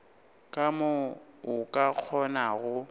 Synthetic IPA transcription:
kʼamoʊkʼak͡xʰɔnaɣʊ

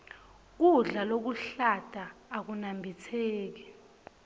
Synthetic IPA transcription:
k̬uɮalok̬uɬad̥ʰʱʼaːk̬unambʱit͡sʰɛːk̬ɛ

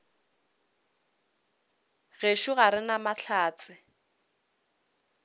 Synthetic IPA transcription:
ɣeʃʊɣaɾɪnamaɬʰaːt͡sʼɪ

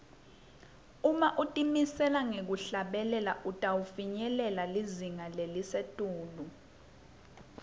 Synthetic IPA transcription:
umaʔutʼimisɛlaŋek̬uɬaɓɛlɛlaʔutʼawufiɲɛlɛlaliziŋalelisetʼuːlu

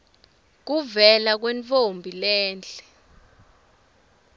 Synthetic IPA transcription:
k̬uvɛlak̬wɛnt͡fombʱilɛːnt͡ɬɛ̥

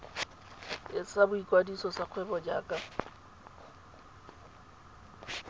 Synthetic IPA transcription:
ɪsabʊikʼwadisɔsaq͡χʰwɛbɔd͡ʒa̰ːkʼa

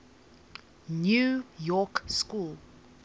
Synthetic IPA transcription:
njujɔkskul

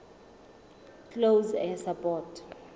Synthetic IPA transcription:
klozɛ̃sapʼɔtʰ

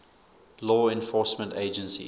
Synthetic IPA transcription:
lɔːɛ̃nfɔˑsmə̃nteɪd͡ʒə̃nsḭ

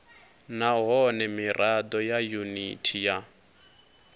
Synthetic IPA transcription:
naɦɔnɛmirʔad̪ɔjajunitʰija

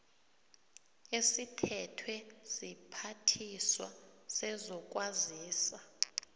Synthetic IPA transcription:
esitʰɛtʰwɛz̥ipʰatʰiswasɛzɔk̬ʼwaziːsa

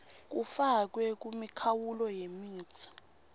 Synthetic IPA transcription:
k̬ufak̬wɛk̬umikʰawulɔjemiːt͡sʰḁ

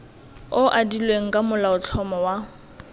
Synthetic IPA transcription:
ʊʔadilweŋ̩kʼamʊlaʊt͡ɬʰɔmɔwa

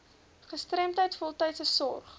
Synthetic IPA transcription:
χəstrɛmtɦəjtfɔlˠtɛjtsəsɔrχ

